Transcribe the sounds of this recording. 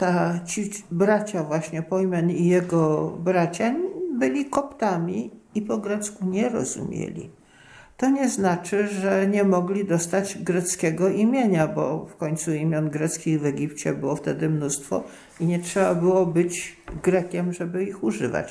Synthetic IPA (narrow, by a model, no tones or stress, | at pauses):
t̪at͡ɕibɾat͡ɕavwaɕɲɛpɔjmʲjɛnijɛɡɔbɾat͡ɕabɘlʲikɔpt̪amʲi | ipɔɡɾɛt̪skuɲɛɾɔ̰zṵmʲjḛlʲḭ | t̪ɔɲɛznat͡ʂɘʐɛɲɛmɔɡlʲid̪ɔst̪ad͡ʑɡɾɛt̪skʲɛɡɔʔimʲjeɲabɔ̰fkɔɲt̪suimʲjɔnɡɾɛt̪skʲiɣvɛɡʲipt͡ɕɛbɘwɔft̪ɛd̪ɘmnust̪fɔ̰ | iɲɛtʂɛbabɘwɔbɘt͡ɕɡɾɛkʲɛmʐɛbɘixuʐɘ̰va̰t͡ɕ